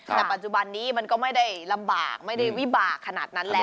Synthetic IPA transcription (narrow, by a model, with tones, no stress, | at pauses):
t̪ɛː˨˩pa˨t̪̚t͡ɕu˨˩ba˧nːiː˦˥ma˧nkɔː˥˩ma˥˩jda˥˩jla˧mba̰ː˨˩k̚ma˥˩jda˥˩jwi˦˥˩baː˨˩kʰːa˧na̰ː˨˩t̪̚na˦˥nlɛː˦˥